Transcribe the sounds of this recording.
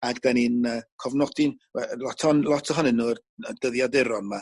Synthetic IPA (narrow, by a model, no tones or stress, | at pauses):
adbaninəkʰɔvnɔdɪnwɛlɔtʰɔnlˠɔtʰɔɦɔnɨnːuə | əd̥əðjadɪɾɔnma